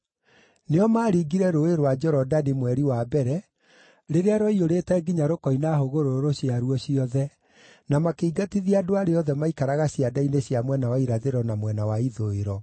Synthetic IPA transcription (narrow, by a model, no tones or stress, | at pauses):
neɔmaːɾiɡiɾɛɾoeɾowad͡ʒɔɾɔdanimwɛɾiwabɛɾɛ | ɾeɾeaɾwɔioɾetɛɡiɲaɾokɔinaɦoɣoɾooɾoɕjaɾuɔɕiɔðɛ | namakeiɡatiðiadoaɾeɔðɛmaikaɾaɣaɕiadaineɕjamwɛnawaiɾaðeɾɔnamwɛnawaiðoeɾɔ